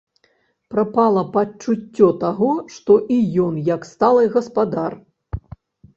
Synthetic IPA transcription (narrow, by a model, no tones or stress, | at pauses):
pɾapalˠɐpɐt͡ʂut͡sʲːɔt̪aɣɔʂt̪ɔʔijɔnjɐkst̪alˠɨjɣɐspad̪ar